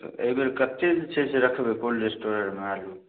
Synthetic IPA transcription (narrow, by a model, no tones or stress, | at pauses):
t̪ə̰ibeɾkət̪ed͡ʒet͡ʃʰɛseɾəkʰbepolɾesʈoɾə̃ʈmealu